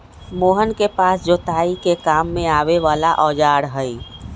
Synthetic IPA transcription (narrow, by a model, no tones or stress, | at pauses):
moːɦənkepaːsd͡ʒoːt̪aikekamːẽaːʋeʋaːlaʔɔːd͡ʒaːɽɦəi